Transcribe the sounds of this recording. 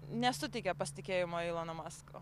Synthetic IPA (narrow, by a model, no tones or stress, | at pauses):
nʲɛsʊt̪ʲɪkʲɛpɐsʲt̪ʲɪkʲeːjɪmoːilˠonɐmɑsko̰